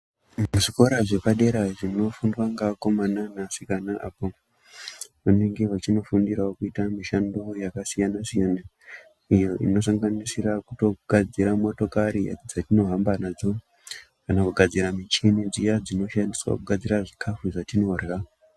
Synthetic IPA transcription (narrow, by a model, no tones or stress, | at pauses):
muʐiko̞ɾaʐe̞paɗe̞ɾaʐino̞fundwaŋɡako̞mananasikanaʔapo | ʋuneŋɡeʋat͡ʃino̞fundiɾaokuitamiʃandojakasijanasijana | ijo̞ʔḭno̞s̬aŋɡanisirakuto̞ɡ̥ʱad͡ziɾamo̞to̞kaɾid͡zatino̞ɦambanad͡zo | kanakuɡʱad͡ziɾamit͡ʃinid͡zijad͡zino̞ʃandiswa̰kuɡʱad͡ziɾaʐikʰafuʐatino̞rrao